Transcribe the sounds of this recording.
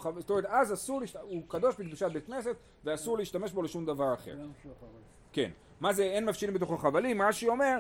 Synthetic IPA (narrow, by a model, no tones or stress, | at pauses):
azotomeet̪azasuʁliiʃtukad̪o̞ʃbiɡ̚biʃat̪̚bet̪kne̞set | veasuʁleiʃt̪ame̞ʃbo̞leʃumd̪avaʁaχḛʁ | ke̞̰n | mazeenmafʃilimbet̪oχaχavalimʁaʃiome̞ʁ